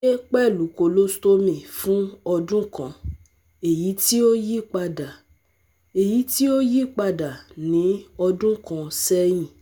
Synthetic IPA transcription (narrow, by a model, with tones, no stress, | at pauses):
e˦k͡pɛ˦˨lu˨˦ko˧lo˦sto˦mĩ˨fũ˦ɔ˧dũ˦kã˧ | e˨ji˨˦ti˦o˦ji˦˨k͡pa˧da˨ | e˨ji˨˦ti˦o˦ji˦˨k͡pa˧da˨nĩ˨˦ɔ˧dũ˦kã˧sɛ˦j̃ĩ˦˨